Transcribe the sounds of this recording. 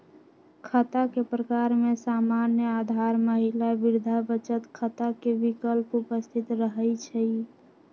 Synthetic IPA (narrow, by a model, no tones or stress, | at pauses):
kʰət̪akepɾəkaɾmesamanjəad̪ʱaɾməɦilabiɾd̪ʱabət͡ʃət̪kʰət̪akebikəlpupəst̪ʰit̪ɾəɦəjt͡ʃʰəj